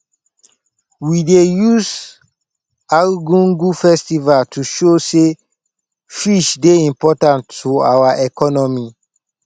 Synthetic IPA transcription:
widejus | alɡũnɡufɛstivaltuʃose | fiʃdeĩmpɔtãntua̰waʔɛkɔnɔmi

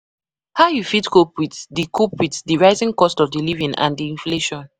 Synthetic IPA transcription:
haʊjufitkopwiθdikʰopwiθdiɹaɪzĩŋkɔstɔvdilivĩnã̰ndiĩnfleʃɔ̃n

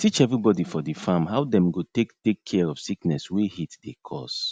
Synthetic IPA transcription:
tʰit͡ʃɛvɹibɔdifɔdifãmɦawdɛ̃mɡotektekʰːɛɹɔfsiknɛswehitdekʰɔ̰s

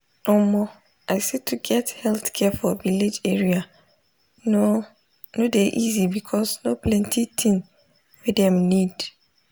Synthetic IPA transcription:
nɔmɔ | aɪsɛtʰuɡɛthɛlθkʰɛfɔviled͡ʒeɹia | no | nodeʔizibikʰɔsnoplɛ̃ntʰitʰĩn | wedɛ̃mnid̥

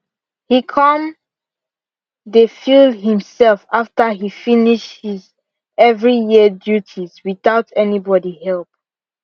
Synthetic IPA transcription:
hikʰɔ̃m | defilɦĩmsɛlfaftəɦifiniʃhiz | ɛvɹijidjutʰizwiθaʊtʰɛnibɔdihɛlˠp̚

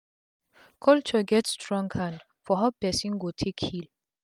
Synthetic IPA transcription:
kʰɔlt͡ʃɔɡɛtstɹɔ̃ŋɡhãnd | fɔɦapɛsĩnɡotʰekhil

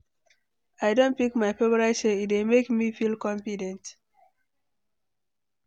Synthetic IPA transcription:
aɪdõnt̚pikmaɪpebəɹatseit̚wemekmifilkɔ̃ɱfidɛ̃nt

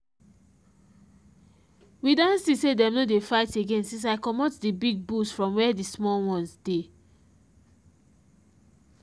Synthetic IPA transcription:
widãnsisedɛ̃mnodefaɪteɡẽnsĩns̬aɪkɔmɔtdibiɡ̚busfɹɔ̃mwɛdismɔlwɔ̃nsde

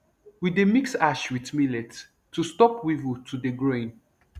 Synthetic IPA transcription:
widemiksaʃwitmilɛt | tːustɔpwivutʰudeɡɹoĩn

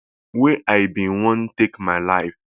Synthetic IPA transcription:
weʔaɪbĩnwɔ̃ntekmaɪlaɪf

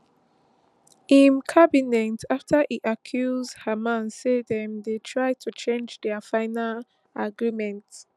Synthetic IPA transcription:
ĩnkʰabinɛ̃ntʰaftʰəʔiʔakʰjuzdhəmãnsedɛ̃mdetʰɹajtʰut͡ʃẽnd͡ʒdɛəfãɪnal | aɡɹimɛ̃nt

